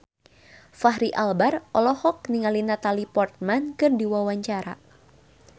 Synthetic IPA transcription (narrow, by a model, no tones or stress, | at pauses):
faɦɾiʔalbarʔɔlɔhɔk̚niŋalinat̪alipɔrt̪̚mankɨrdiwawaɲt͡ʃaɾa̰